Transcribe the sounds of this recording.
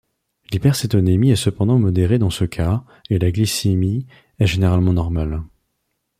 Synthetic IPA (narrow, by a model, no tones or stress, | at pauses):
lipɛʁset̪ɔnemiɛsəpɑ̃d̪ɑ̃mɔd̪eʁed̪ɑ̃səkʰa | elaɡlisemi | ɛʒeneʁalmɑ̃nɔʁmal